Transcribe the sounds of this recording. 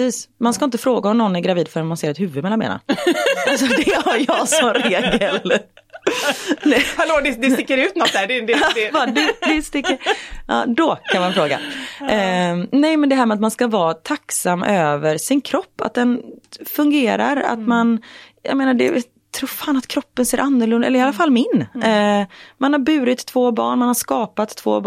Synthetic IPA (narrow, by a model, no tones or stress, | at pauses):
siːsmanskaɪnt̪əfɾoːɡaɔmnɔnːæɾɡɾaviːd̪fœɾɛnmanseːɾɛt̪hʉ̟vɵɪmɛlːanmḛːna̰alsɔd̪ɛhaɾjɑɡsɔɾeːɡəl | nɛhɛloːd̪ɛd̪ɛst̪ɪkːəɾʉ̟ːt̪nɔt̪̚æɖd̪ːbɑd̪ɵd̪ɪst̪ɪkːəɾɑ̰ːd̪ɔkʰanvaɛnfɾoːɡa̰ | nɛjmɛnd̪ɛɦæːɾmɛat̪manskavɑːt̪ʰaksamːʔøːvəɾʂɪnkʰɾɔpːa̰t̪̚d̪ɛnfɵŋɡeːɾa̰ɾa̰t̪manja̰ɡmeːnaɖɛ̰ja | t̪ʰɾuːɾfaːnat̪kʰɾɔpːənseːɾʔanːʊɭɵnd̪aɛlːɾɪalːafalːmɪn | manhaɾbʉ̟ːɾɪt̪ʰːvoːbɑ̰ːɳmanhaɾʂkɑːpat̪ʰːv̥o̰ːb